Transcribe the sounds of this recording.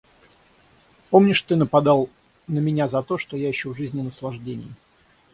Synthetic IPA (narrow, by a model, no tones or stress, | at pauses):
pomnʲɪʂt̪ɨnəpɐd̪ɑlˠ | nəmʲɪnʲazɐt̪o̞ʂt̪o̞jaɪɕːovʐɨzʲnʲɪnəslˠɐʐdʲenʲɪ̰jɪ